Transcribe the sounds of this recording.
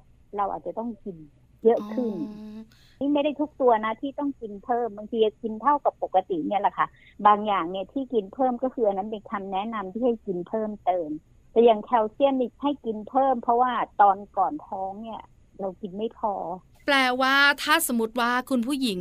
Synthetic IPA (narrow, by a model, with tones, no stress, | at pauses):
ɾa˧wʔa̰ː˨˩t̪̚t͡ɕa˨˩t̪ɔ˥˩ŋki˧n | jɤ˦˥ʔkʰɯ˥˩n | iː˦˥ma˥˩jda˥˩jt̪ʰu˦˥k̚t̪u˧ɐna˦˥t̪ʰiː˥˩t̪ɔ˥˩ŋki˧npʰɤː˥˩mba˧ŋt̪ʰiː˧ki˧nt̪ʰa˥˩wka˨˩pːo˨˩kːa˧t̪i˨˩ni˥˩ɐla˨˩kʰa˦˥˩ | baː˧ŋjaː˨˩ŋni˥˩ɐt̪ʰiː˥˩ki˧npʰɤː˥˩mkɔː˥˩kʰɯː˧ʔa˧nːa˦˥npe˧nkʰa˧mnɛ˦˥ʔna˧mt̪ʰiː˥˩a˥˩jki˧npʰɤː˥˩mt̪ɤː˧m | t̪ɛː˨˧˩jaː˨˩ŋkʰɛ˧˩wsi˥˩əniː˧˩ha˥˩jki˧npʰɤː˥˩mpʰɾɔ˦˥waː˥˩t̪ɔː˧nkɔː˨˩nt̪ʰɔː˦˥ŋni˥˩ɐ | ɾa˧wki˧nma˥˩jpʰɔː˧ | plɛː˧˩waː˥˩t̪ʰaː˥˩sa˨˩˦mːu˦˥t̪̚waː˥˩kʰu˧npʰuː˥˩˨ji˩˦ŋ